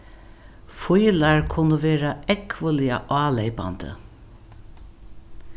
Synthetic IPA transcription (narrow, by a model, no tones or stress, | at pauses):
fʊjlaɹkʰʊnəʋeːɹaɛkʰʋəlɪɑʔɑːleɪpa̰nd̪ə̰